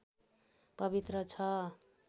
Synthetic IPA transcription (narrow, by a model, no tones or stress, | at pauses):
pʌbit̪rʌt͡sʰʌ